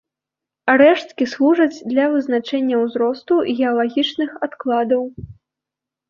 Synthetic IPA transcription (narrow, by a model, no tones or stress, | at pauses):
ɾɛʂt̪kʲislˠuʐɐd͡zʲd̪lʲɐvɨznat͡ʂɛnʲːɐwzɾɔst̪uɣʲɛalˠaɣʲit͡ʂnɨxat̪klˠad̪ɐw